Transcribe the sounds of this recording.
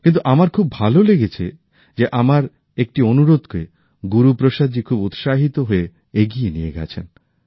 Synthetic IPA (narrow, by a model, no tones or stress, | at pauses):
kint̪uʔamaɾkʰubːʱaloleɡet͡ɕʰe | d͡ʑeʔamaɾ | ek̚ʈionuɾod̪kḛ | ɡuɾupɾoʃad͡ʑikʰubut̪ʃaɦit̪oɦoe | eɡijenijḛɡɛ̰t͡ɕʰen